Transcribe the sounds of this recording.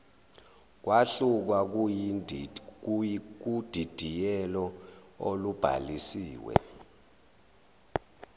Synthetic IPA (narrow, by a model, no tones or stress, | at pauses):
k̬waɬuk̬wak | k̬ud̥ʱid̥ʱijɛlɔ | olub̥ʱa̰lisiːwɛ̰